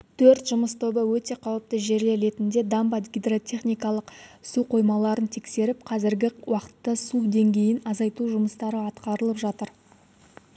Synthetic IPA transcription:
t̪ʰɵɾt̪ʒ̥ʊməst̪ʰobəwɵt̪e̞qʰɑwəp̚t̪əʒe̞ɾle̞ɾe̞t̪ɪnd̪e̞d̪ɑmbɑɡʲijd̪ro̞t̪ʲʰe̞χnijkɑlˠəqsuqʰo̞jmɑlˠɑɾənt̪ʰe̞kse̞ɾɪp̚qʰɑzɪɾɡʲɪwʔɑqə̥t̪ːɑsud̪e̞ŋɡʲe̞jɪnɑzɑjt̪uʒʊməst̪ɑɾəɑt̪qɑɾəlˠəpʒɑt̪əɾ

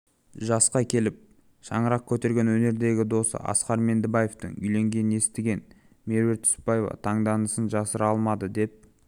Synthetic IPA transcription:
ʒɑsqɑkʲʰe̞lɪp̚ | ʃɑɴəɾɑq̚kʲʰɵt̪e̞ɾɡʲe̞nwɵne̞ɾd̪e̞ɡʲɪd̪o̞sə̰ʔɑ̰sqɑɾme̞nd̪ɪbɑje̞ft̪ə̰ŋʏ̰jle̞ŋɡʲe̞nɪne̞st̪ɪɡʲe̞n | me̞ɾwe̞ɾt̪ʰʏ̥spɑje̞vɑ̰t̪ʰɑɴd̪ɑnəsənʒɑsəɾɑlˠmɑd̪əd̪e̞p̚

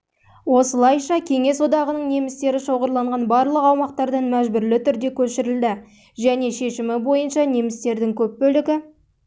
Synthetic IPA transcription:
wo̞səlˠɑjʃɑkʲʰe̞ŋe̞swo̞d̪ɑʁənəɴne̞mɪst̪e̞ɾɪʃo̞ʁəɾlˠɑɴʁɑnbɑɾlˠəqɑwmɑq̚t̪ɑɾd̪ɑnmæʒbʏɾlɪt̪ʰʏɾd̪e̞kʲʰɵʃɪɾɪld̪ɪ | ʒæne̞ʃe̞ʃɪmɪbo̞jənʃɑne̞mɪst̪e̞ɾd̪ɪŋkʲʰɵp̚bɵlɪɡʲɪ

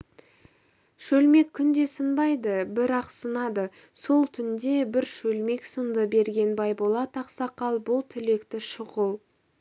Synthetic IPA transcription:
ʃɵlme̞kʲʰːʏnd̪e̞sənbɑjd̪əbɪɾɑqsənɑd̪ə | so̞lˠt̪ʰʏnd̪e̞bɪɾʃɵlme̞ksənd̪əbe̞ɾɡʲe̞nbɑjbolˠɑt̪ʰɑqsɑqɑlˠbʊlˠt̪ʰʏle̞kt̪ɪʃʊʁəlˠ

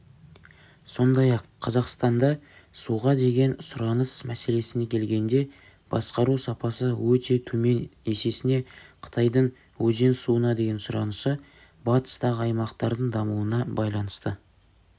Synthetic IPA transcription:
so̞nd̪ɑjɑqʰːɑzɑqst̪ɑnd̪ɑ | suʁɑd̪e̞ɡʲe̞nsʊɾɑnəsmæse̞le̞sɪne̞kʲʰe̞lɡʲe̞nd̪e̞ | b̥ɑ̰sqɑɾusɑpɑsəwɵt̪e̞t̪ʰɵme̞ne̞se̞sɪne̞qʰə̥t̪ʰɑjd̪əɴ | wɵze̞nsuənɑd̪e̞ɡʲensʊɾɑ̰nəsə | bɑt̪ə̥st̪ɑʁəɑjmɑqt̪ɑɾd̪əɴd̪ɑmuənɑbɑjlˠɑnəst̪ə

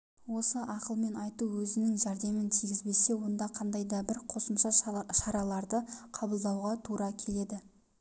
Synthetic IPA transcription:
wo̞səʔɑqəlˠme̞nɑjt̪uwɵzɪnɪŋʒæɾd̪e̞mɪnt̪ʰijɡʲɪzbe̞se̞wo̞nd̪ɑqʰɑnd̪ɑjd̪ɑbɪɾqʰo̞səmʃɑʃɑɾɑlˠɑɾd̪əqʰɑbəlˠd̪ɑwʁɑt̪ʰuɾɑkʲʰe̞le̞d̪ɪ

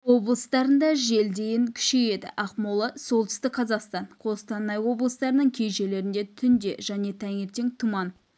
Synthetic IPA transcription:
wo̞blˠəst̪ɑɾənd̪ɑʒe̞ld̪e̞jɪŋkʲʰʏ̥ʃeje̞d̪ɪ̰ʔɑqmolˠəso̞lˠt̪ʰʏst̪ɪkqʰɑzɑqst̪ɑnqʰo̞st̪ʰɑnːɑjwo̞blˠəst̪ɑɾənəɴkʲʰe̞jʒe̞le̞ɾɪnd̪e̞t̪ʰʏnd̪e̞ʒæne̞t̪ʰæŋe̞ɾt̪e̞ŋt̪ʰumɑn

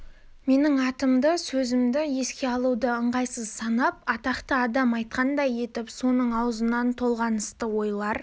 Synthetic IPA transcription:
me̞nɪŋɑt̪əmd̪əsɵzɪmd̪ɪje̞skʲe̞ɑlˠud̪əəɴʁɑjsəzsɑnɑp̚ɑt̪ɑqt̪əɑd̪ɑmɑjt̪̚qɑnd̪ɑje̞t̪ɪpso̞nəɴɑwzənɑnt̪ʰo̞lˠʁɑnəst̪əwo̞jlˠɑɾ

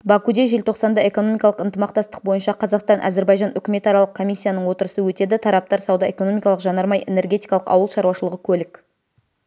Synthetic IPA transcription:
bɑkud̪eʒe̞lt̪ʰo̞qsɑnd̪ɑe̞ko̞no̞mijkɑlˠəqənt̪əmɑq̚t̪ɑst̪ə̥q̚bo̞jənʃɑqʰɑzɑqst̪ɑnʔæ̰ze̞ɾbɑjʒɑnʏkʲɪme̞t̪ɑɾɑlˠəq̚kʰːo̞misʲːijanəɴwo̞t̪əɾəsəwɵt̪e̞d̪ɪt̪ʰɑɾɑp̚t̪ɑɾsɑwd̪ɑʔe̞ko̞no̞mijkɑlˠəqʒɑnɑɾmɑje̞̰ne̞ɾɡʲe̞t̪ijkɑlˠəqɑ̰wəlˠʃɑɾwɑʃəlˠəʁəkʲʰɵlɪk

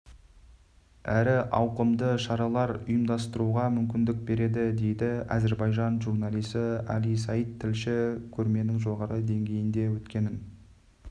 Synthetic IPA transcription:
æɾɪʔɑwqəmd̪əʃɑɾɑlˠɑɾʊjəmd̪ɑst̪əɾuʁɑmʏmkʲɪnd̪ɪk̚be̞ɾe̞d̪ɪd̪e̞jd̪ɪɑ̰ze̞ɾbɑjʒɑnʒuɾnɑlˠijsəæ̰lijs̬ɑjət̪ʰːɪlʃɪkʲʰɵɾme̞nɪŋʒo̞ʁɑɾəd̪e̞ŋɡʲe̞jɪnd̪e̞wɵt̪kʲe̞nɪn

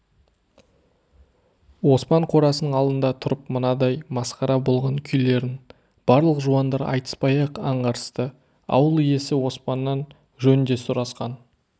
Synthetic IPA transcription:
wo̞spɑɴqʰo̞ɾɑsənəɴɑlˠd̪ənd̪ɑt̪ʰʊɾəpmʊnɑd̪ɑjmɑsqɑɾɑbo̞lˠʁɑŋkʲʰʏjle̞ɾɪn | b̥ɑɾlˠəqʒuɑnd̪ɑɾɑ̰jt̪ə̥spɑjɑqɑɴʁɑɾəst̪ə | ɑ̰wəlˠije̞sɪwo̞spɑnːɑn | ʒɵnɪnd̪e̞sʊɾɑsqɑn

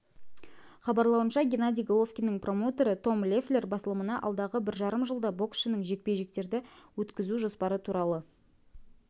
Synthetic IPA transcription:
χɑbɑɾlˠɑwənʃɑɡʲenad̪ʲijɡolˠo̞fkʲinɪŋpro̞mo̞t̪e̞ɾət̪ʰo̞mlʲeflʲe̞rbɑsəlˠəmənɑʔɑ̰lˠd̪ɑʁəbɪɾʒɑɾəmʒəlˠd̪ɑbo̞ksʃənɪŋʒe̞k̚pe̞jʒɪk̚t̪e̞ɾd̪ɪwɵt̪kʲɪzuʒo̞spɑɾət̪ʰuɾɑlˠə

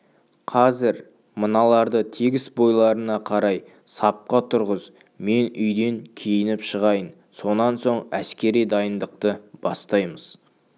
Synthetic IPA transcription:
qʰɑzɪɾ | mənɑlˠɑɾd̪ət̪ʰeɡʲɪsbo̞jlˠɑɾənɑqʰɑɾɑj | sɑp̚qɑt̪ʰʊɾʁəz | me̞nʏjd̪e̞ŋkʲʰejɪnɪpʃəʁɑjən | so̞nɑnso̞ɴæskʲe̞ɾijd̪ɑjənd̪əq̚t̪əb̥ɑst̪ɑjməz̥

